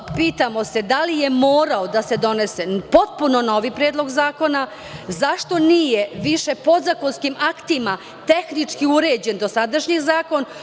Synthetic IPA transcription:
piːt̪amo̞se̞d̪alijemoːɾaod̪ase̞d̪o̞nesepo̞t̪̚puno̞no̞ʋipɾeːd̪lˠo̞ɡzaːko̞na | zaʃt̪o̞niːjeʋiʃe̞po̞d̪zako̞nskimakt̪ima | t̪e̞xnit͡ʂkiuɾe̞ːd͡ʑe̞nd̪o̞sad̪aʃɲizaːko̞n

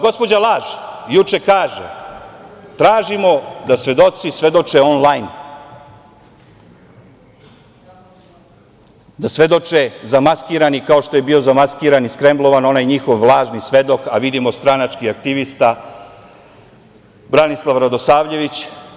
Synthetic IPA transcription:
ɡo̞spo̞d͡ʑalˠaːʒjut͡ʃe̞kaːʒḛ | t̪ɾaːʒimo̞d̪asʋe̞d̪o̞t̪sisʋe̞d̪o̞t͡ʃeo̞nlˠajn | d̪asʋe̞d̪o̞t͡ʃezamaskiːɾanikao̞ʃt̪o̞je̞bio̞zamaskiːɾaniskɾe̞mblˠo̞ʋano̞najɲixo̞ʋlˠaːʒnisʋe̞d̪o̞kaʋid̪imo̞st̪ɾanat͡ʃkiakt̪iʋist̪a | bɾanislˠaʋɾad̪o̞saːʋʎe̞ʋit͡ɕ

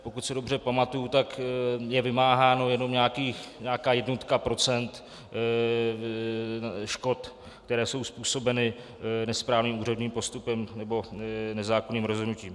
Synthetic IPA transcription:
po̞kut̪sɛdo̞br̝ɛpamat̪ujut̪akjɛvɪmaːɦaːno̞jɛno̞mɲaːkiːxɲaːkaːjɛdnot̪kapɾo̞t͡sɛnt̪ | ʃko̞t̪ | kt̪ɛɾɛːso̞wspuːso̞bɛnɪ | nɛspɾaːvniːmuːrɛdɲiːmpo̞st̪upɛmnɛbo̞nɛzaːkoniːmɾozɦodnuciːm

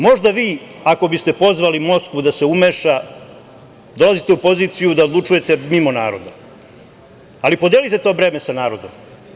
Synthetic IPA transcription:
mo̞ʒd̪aʋiːako̞bist̪e̞po̞zʋalimo̞skʋud̪ase̞umeʃa | d̪o̞lazit̪e̞upo̞ziːt̪sijud̪aod̪lˠut͡ʂuje̞t̪e̞mimo̞naːɾo̞d̪a | alipod̪elit̪et̪o̞ːʋɾe̞ːmesanaːɾo̞d̪om

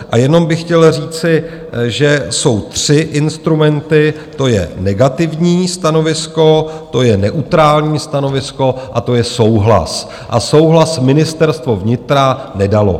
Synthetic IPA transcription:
ʔajɛno̞mbɪxcɛlr̝iːt͡sɪ | ʒɛso̞wt̪r̝̥ɪʔɪnst̪ɾumɛnt̪ɪ | t̪o̞jɛ̰nɛɡat̪ɪvɲiːst̪ano̞vɪsko̞t̪o̞jɛnɛʔut̪ɾaːlɲiːst̪ano̞vɪsko̞ʔat̪o̞jɛso̞wɦla̰s | ʔa̰so̞wɦlasmɪnɪst̪ɛɾst̪vo̞vɲɪt̪ɾanɛdalo̞̰

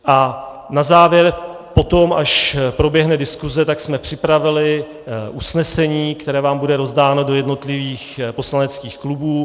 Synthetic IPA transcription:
ʔa | nazaːvjɛɾ | po̞t̪o̞maʃpɾo̞bjɛɦnɛdɪskuzɛt̪aksmɛpr̝̥ɪpɾavɪlɪ | ʔusnɛsɛɲiːkt̪ɛɾɛːvaːmbudɛɾo̞zdaːnodo̞jɛdno̞t̪lɪviːxpo̞slanɛt͡skiːxklubuː

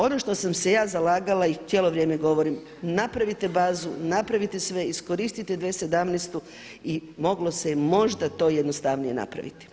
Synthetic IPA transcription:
o̞noʃt̪o̞samse̞jaːzalaːɡalait͡s̪ʲjeːlˠoʋɾjeːmeɡo̞ʋo̞ɾim | napɾaʋit̪e̞baːzṵnapɾaʋit̪esʋe̞isko̞ɾist̪it̪ed̪ʋese̞d̪amnest̪u | imo̞ɡlo̞semo̞ʒd̪at̪o̞ːjed̪nost̪aʋnije̞na̰pɾa̰ʋḭt̪i̥

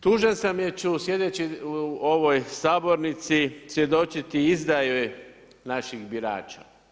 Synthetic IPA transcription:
t̪uːʒensamjet͡ɕusje̞d̪et͡ɕiuoʋo̞jsaːbo̞ɾnit̪sisje̞d̪o̞t͡ʃit̪iizd̪ajoj | naʃixbiɾa̰ːt͡ʃa̰

